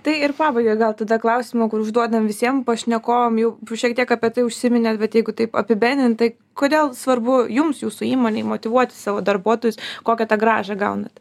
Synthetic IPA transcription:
t̪ɐɪɪɾpɑːbɐɪɡʲoːjɡɐlˠt̪ɐd̪ɐklˠɐʊsʲɪmokʊɾʊʒd̪uɔd̪ɐmʋʲɪsʲiɛmpɐʃʲnʲɛkoːjomjɛʊʃʲiɛkt̪ʲiɛkɐpʲiɛt̪ɐɪʊʃʲsʲɪmʲɪnʲeːt̪bʲɛt̪jɛɪɡʊt̪ɐɪpɐ̰pʲɪbʲɛnd̪ʲɪnt̪t̪ɐɪ | koːd̪ʲeːlˠsʋɐrbʊjʊmsjuːsʊiːmoːnʲɛɪmoːt̪ʲɪʋuɔt̪ʲɪ̥sɑːʋoːd̪ɐrbuɔt̪oːjʊskoːkʲɛt̪ɐɡɾɑːʒɐɡɐʊnɐt̪

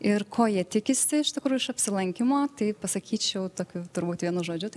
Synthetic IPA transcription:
ɪrkʰoːjiɛt̪ʲɪkʲɪsʲɪɪʃt̪ʲɪkɾuːjʊɪʃɐpʲsʲɪlˠɐŋʲkʲɪmoːt̪ɐɪpɐsɐkʲiːt͡ʃʲɛʊt̪oːkʲʊt̪ʊɾbuːt̪ʋʲiɛnʊʒoːd͡ʒʲʊt̪ɐɪ

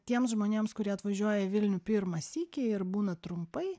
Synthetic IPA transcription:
t̪ʲiɛmsʒmoːnʲeːmskʊɾʲiɛɐt̪ʋɐʒʲuɔjɛʋʲɪlʲnʲuːpʲɪɾmɐsʲiːkʲeɪɾbuːnɐt̪ɾʊmpɐɪ

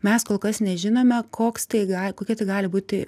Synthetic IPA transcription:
mʲɛskoːlˠkɐsnʲɛʒʲɪnoːmʲɛkoːkst̪ɐɪɡɑːlkoːkʲiɛt̪ɐɪɡɑːlʲɪbuːt̪ʲɪ

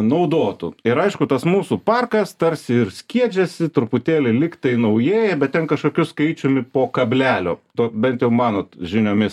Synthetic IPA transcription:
nɐʊd̪oːt̪ṵɪɾɐɪʃkʊt̪ɐsmuːsupɑrkɐst̪ɐɾʲsʲɪɪɾsʲkʲiɛd͡ʒʲɛsʲɪt̪ɾʊpʊt̪ʲeːlʲɪlʲɪktt̪ɐɪnɐʊjeːjɛbʲɛt̪̚tʲɛnkɐʃkoːkʲʊskɐɪt͡ʃʲʊmʲɪpoːkɐbʲlʲæːlʲo̰ːt̪oːbʲɛnt̪jɛʊmɑːnoːt̪ʒʲɪnʲoːmʲɪs

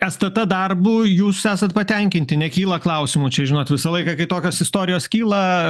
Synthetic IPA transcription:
ɛst̪ɐt̪ɐd̪ɐrbuːjuːssæːsɐt̪pɐt̪ʲɛŋʲkʲɪnt̪ʲɪnʲɛkʲiːlˠɐklˠɐʊsʲɪmuːt͡ʃʲɛʒʲɪnoːt̪ʋʲɪsɐlˠɐɪkɐkɐɪt̪oːkʲoːsɪst̪oːɾʲɪjoːskʲiːlˠɐ

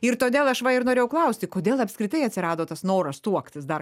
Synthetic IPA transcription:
ɪɾt̪oːd̪ʲeːlˠɐʃʋɐɪɾnoːɾʲeːjɛʊklˠɐʊsʲt̪ʲɪkoːd̪ʲeːlˠɐpʲskɾʲɪt̪ɐɪɐt̪ʲsʲɪɾɑːd̪oːt̪ɐsnoːɾɐst̪uɔkt̪ʲɪsd̪ɐr

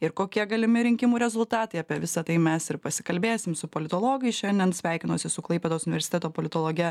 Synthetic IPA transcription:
ɪɾkoːkʲiɛɡɐlʲɪmʲɪɾʲɪŋʲkʲɪmuːɾʲɛzʊlˠt̪ɑːt̪ɐɪɐpʲiɛʋʲɪsɐt̪ɐɪmʲɛsɪɾpɐsʲɪ̥kɐlʲbʲeːsʲɪmsʊpoːlʲɪt̪oːlˠoːɡɐɪʃʲɛnʲd̪ʲɛnsʲʋʲæˑɪkʲɪnoːsʲɪsʊklˠɐɪpʲeːd̪oːsʊnʲɪʋʲɛɾʲsʲɪt̪ʲɛt̪oːpoːlʲɪt̪oːlˠoːɡʲɛ

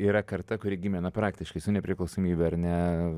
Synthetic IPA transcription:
iːɾɐkɐrt̪ɐkʊɾʲɪɡʲɪmʲɛnɐpɾɑːkt̪ʲɪʃkɐɪsʊnʲɛpʲɾʲɪklˠɐʊsoːmʲiːbʲɛɐɾnʲɛ

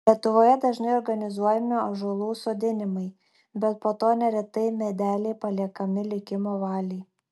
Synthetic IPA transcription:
lʲiɛt̪ʊʋoːjɛd̪ɐʒnɐɪɔɾɡɐnʲɪzuɔjɛmʲɪɐʒulˠuːsoːd̪ʲɪnʲɪmɐɪ | bʲɛt̪̚poːt̪oːnʲɛɾʲɛt̪ɐɪmʲɛd̪ʲæːlʲeɪpɐlʲiɛkɐmʲɪlʲɪkʲɪmoːʋɑːlʲɛɪ

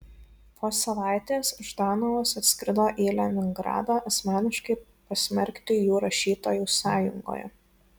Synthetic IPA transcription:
pʰoːsɐʋɑˑɪt̪ʲeːsʊʒd̪ɑːnɐʋoːsɐt̪ʲsʲkʲɾʲɪd̪oːʔeːlʲɛmʲɪŋɡɾɑ̰ːd̪ɑʔɐsʲmʲæːnʲɪʃkɐɪ | pɐsʲmʲɛɾʲkʲt̪ʲɪjuːɾɐʃʲiːt̪oːjuːsɑːjʊŋɡo̰ːjɛ̰

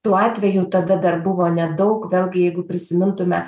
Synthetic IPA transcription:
t̪uːɑːt̪ʲʋʲɛjuːt̪ɐd̪ɐd̪ɐrbʊʋoːnʲɛd̪ɒʊkʋʲeːlʲˠɡʲɪjɛɪɡʊpʲɾʲɪsʲɪmʲɪnt̪ʊmʲɛ

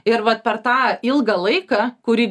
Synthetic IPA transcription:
ɪɾʋɐt̪̚pʲɛɾt̪ɑːɪlˠɡɐlˠɐɪkɑkʊɾʲiː

